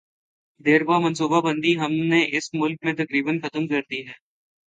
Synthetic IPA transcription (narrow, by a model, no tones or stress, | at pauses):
d̪eːɾbamɐ̃nsuːbabɐ̃nd̪iɦɐmneʔɪsmʊlk̚mẽt̪ɐkɾiːbənxɐt̪əmkɐɾd̪iɦɛː